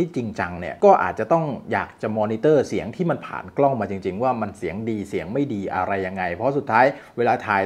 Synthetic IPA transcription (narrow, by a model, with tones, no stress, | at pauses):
iː˥˩t͡ɕi˧ŋt͡ɕa˧ŋni˥˩ɐkɔː˥˩ʔa̰ː˨˩t̪̚t͡ɕa˨˩t̪ɔ˥˩ŋjaː˨˩k̚t͡ɕa˨˩mɔː˧niː˧˥t̪ɤː˥˩si˩˦əŋt̪ʰiː˥˩ma˧npʰa̰ː˨˩nklɔ˥˩ŋmaː˧t͡ɕi˧ŋt͡ɕi˧ŋwaː˥˩ma˧nsi˩˦əŋdiː˧si˨˩˦əŋma˥˩jdiː˧ʔa̰˧ɾa˧jːa˧ŋːa˧jpʰɔ˦˥su˨˩t̪ʰːaː˦˥jweː˧laː˧t̪ʰaː˧j